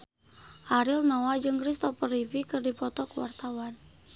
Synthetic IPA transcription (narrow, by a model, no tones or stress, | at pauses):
ʔaɾilnɔwad͡ʒɨŋkɾist̪ɔpərifikɨrdipɔt̪ɔkəwa̰rt̪awan